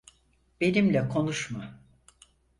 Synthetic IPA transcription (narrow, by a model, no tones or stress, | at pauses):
b̥e̞nimlʲɛkʰo̞nuʃma